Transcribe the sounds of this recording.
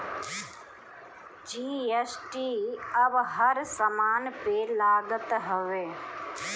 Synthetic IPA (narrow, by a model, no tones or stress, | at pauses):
d͡ʒiːesʈiːɐbɦɐɾsɐmaːnpelaːɡət̪ɦəʋeː